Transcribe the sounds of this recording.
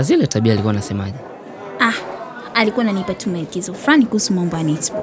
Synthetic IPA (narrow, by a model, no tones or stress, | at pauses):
azilɛtaɓiaːlikuwanasɛma̰ʄɛ | a | alikuwananipatumɛkizɔflanikuhusumaɔmbɔjanɛtbɔ